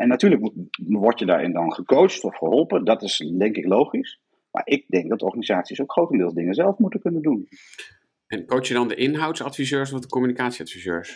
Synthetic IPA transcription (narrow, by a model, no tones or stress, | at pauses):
ɛnːatyːɹləkmuʋɔɹtjədaːɹʔɪ̰ndɑnχəkowt͡ʃtɔfχəɦɔlˠpədɑtɪsdɛŋkɪklowχis | ma̰ːɹʔɪɡ̚dɛŋk̚ɡdɑtəɔɹχanizaːtsisowkχrowtəndɪːlˠzdɪŋəzɛlˠfmutəkɵnəndun | ʔɛnkowt͡ʃjədɑndəʔɪnɦɑwtsɑtfizøːɹsɔfdəkɔmynikaːtsiɑtfizøːɹs